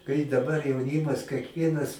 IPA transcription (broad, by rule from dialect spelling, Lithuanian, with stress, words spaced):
kɐɪ dɐˈbɐr jɛʊˈnʲɪmɐs kʲɛkˈʋʲiɛnɐs